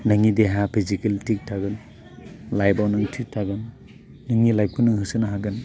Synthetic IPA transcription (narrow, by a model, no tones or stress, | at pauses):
nɯŋideɦapʰizikeltʰik̚tʰaɡɯn | lajbawnɯŋtʰik̚tʰaɡɯnː | ɯŋilaj̚kʰunɯŋɦɯsɯnaɦaɡɯn